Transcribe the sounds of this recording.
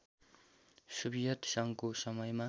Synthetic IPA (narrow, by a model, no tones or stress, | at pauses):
subijʌt̪sʌŋkosʌmʌjma